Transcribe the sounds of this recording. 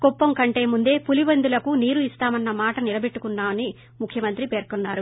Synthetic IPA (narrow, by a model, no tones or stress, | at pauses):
ɡ̥ɔpːɐmkɐɳʈe̞ːmund̪e̞ːpulibɐnd̪ulɐkuniːɾuist̪aːmɐnːɐmaːʈɐnilɐbe̞ʈːukunːaːmɐni | mukʰjɐmɐnt̪ɾipe̞ːɾkunːaːɾu